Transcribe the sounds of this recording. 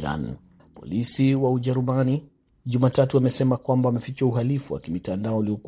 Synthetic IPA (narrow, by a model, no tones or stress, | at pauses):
ɾa̰n | pɔ̰lisiwauʄɛɾumani | ʄumatatuamɛsɛmakwambawamɛfit͡ʃauɦalifuwa̰kimitandaɔuliɔk